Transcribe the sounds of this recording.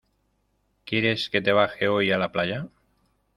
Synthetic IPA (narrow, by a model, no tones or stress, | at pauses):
keɾesket̪eβ̞axeojalaplaʎa